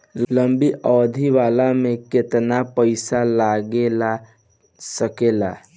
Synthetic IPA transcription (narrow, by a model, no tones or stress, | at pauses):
lləmbiʔɔːd̪ʱiʋaːlamẽket̪napəɪsalaːɡela | səkela̰